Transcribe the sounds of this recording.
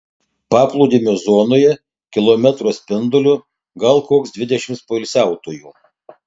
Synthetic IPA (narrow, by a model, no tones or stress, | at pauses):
pɑːplˠuːd̪ʲiːmʲʊzoːnoːjɛ | kʲɪlˠoːmʲɛt̪ɾoːsʲpʲɪnd̪ʊlʲʊ | ɡɐlˠkoːksd̪ʲʋʲɪd̪ʲɛʃʲɪmtspoːɪlʲsʲæˑʊt̪oːjuː